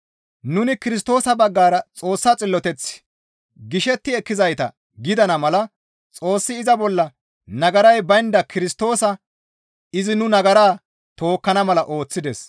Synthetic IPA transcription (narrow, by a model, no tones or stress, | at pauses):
nʊnɪkɪɾɪst̪o̞ːsɐbɐɡːaːɾɐt͡sʼo̞ːsːɐt͡sʼɪlːɔt̪ɛt͡sː | ɡɪʃɛt̪ːɪɛkːɪzɐjt̪ɐ̰ | ɡɪd̪ɐnɐmɐlɐ | t͡sʼo̞ːsːɪːzɐbɔlːɐ | nɐɡɐɾɐjbɐjnd̪ɐkʰɪɾɪst̪o̞ːsɐ | ɪzɪnʊnɐɡɐɾaː | t̪o̞ːkːɐnɐmɐlɐʔo̞ːt͡sːɪd̪ɛs